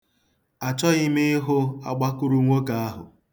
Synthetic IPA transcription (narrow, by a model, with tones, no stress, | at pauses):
a˨t͡ʃɔ˦ɣɪ˦me˦ɦʊ˦a̰˨ɡ͡ba˦kʊ˦ɾu˦ŋʷo˦ka˨a˦ɦʊ̰˨